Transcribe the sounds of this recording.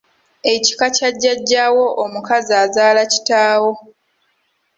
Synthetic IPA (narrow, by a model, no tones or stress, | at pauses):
e̞ci̥kacaɟːaɟːaːwo̞ʔomukaziaːzaːlaci̥taːwo̞